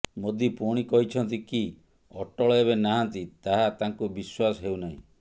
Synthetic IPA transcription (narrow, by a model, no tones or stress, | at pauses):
mod̪ipuɽ̃ikɔɦit͡ʃʰɔnt̪iki | ɔʈɔɭɔeβenaɦant̪it̪aɦat̪aŋkubiswasɔɦewnaɦḭ̃